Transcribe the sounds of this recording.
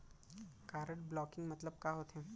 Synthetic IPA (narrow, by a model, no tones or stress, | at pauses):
kaːɾəʈblɔːkɪ̃ŋɡmɐt̪ləb̚kaːɦoːt̪ɦɛ̃ː